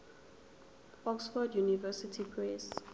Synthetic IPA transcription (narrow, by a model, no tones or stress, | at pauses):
ɔksfɔdjunivɛsitʰipʰɹɛs